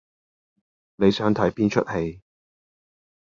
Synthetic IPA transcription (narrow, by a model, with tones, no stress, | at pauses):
ne˨˧jsœː˨˥ŋt̪ʰɐ˨˥jpiː˥nt͡ʃʰɵ˥t̚he˧j